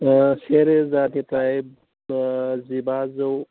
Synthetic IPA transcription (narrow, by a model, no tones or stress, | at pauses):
seɾezaːt̪it̪aib | zibaːzɐw